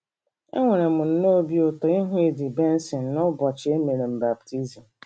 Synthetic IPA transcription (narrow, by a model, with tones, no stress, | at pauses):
ḛ˦ŋʷe˨ɾe˨mʊ˨n̩˦no˦bi˦o˨tɔ˨ɪ˦ɦʊ̃˦e˦dɪ˨be˦n̩˦sɪ˨n˨nʊ˦bɔ˨t͡ʃɪ˦e˦me˨ɾe˨m̩˨ba˨b̚tʰi˦zi˨m̩˨